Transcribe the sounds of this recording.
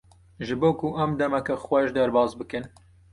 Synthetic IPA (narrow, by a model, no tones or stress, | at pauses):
ʒɨboːkʰuʔɐmd̪ɛmɛkɐxwɛʃd̪ɐɾbɑːzbɨkɨn